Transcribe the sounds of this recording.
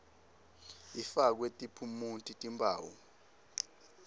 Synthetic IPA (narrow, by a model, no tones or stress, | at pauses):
ifak̬wetʼipʰumuntʼitʼimbʰʼʱa̰ːwṵ